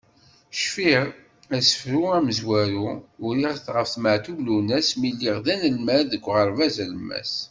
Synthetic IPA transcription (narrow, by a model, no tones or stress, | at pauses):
ʃfiʁ | æsə̥fɾuæməzwæɾuʊɾiʁθʁəfθməʕt̪uvlunæsmilːiʁðænəlmæɾðəkʷːʁəɾˤvæzæləmːæ̰s